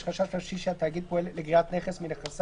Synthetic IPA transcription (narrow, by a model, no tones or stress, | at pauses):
ʃχaʃaʃlaʃiʃeat̪ːaːɡid̪̚poelleɡʁiat̪neχesmineχas